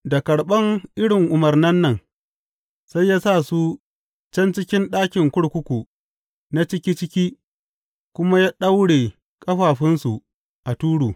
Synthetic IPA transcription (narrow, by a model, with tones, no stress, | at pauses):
da˨kɐ˨ɽɓɐ˦ŋʔɪ˦ɽɪ˨ŋʔʊ˨mɐ˨rnɐ˦nːɐ˦n | sa˦jːaː˦sa˦˨su˦ | t͡ʃɐ˦nt͡ʃɪ˦kʲɪ˦nɗaː˦kʲɪ˨ŋkʷʊ˦ɽkʷʊ˦kʷu˨ | na˦t͡ʃɪ˦kʲiː˦t͡ʃɪ˦kʲiː˦ | kʷʊ˦ma˦jaː˦ɗa˦wɽeː˨ | kʼɐ˦ɸaː˨ɸɪ˦nsu˨ | ʔa˨tuː˦ɽuː˨